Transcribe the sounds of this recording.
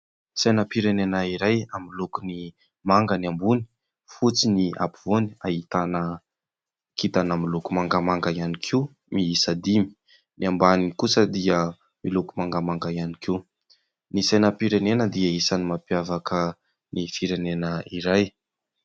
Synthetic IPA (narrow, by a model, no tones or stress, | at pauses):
sajnəpiɾenenəiɾajamilukuni | maŋɡənambuni | fut͡siniapiv̥oniaɦit̪anə | kit̪anamilukumaŋɡamaŋɡaianikʰiw | miisad̪imi̥ | niambanikusəd̪iə | milukumaŋɡamaŋɡajanikʰeu | nisajnəpiɾenenəd̪iaisanimapjavakʰə | nifiɾenenəiɾaj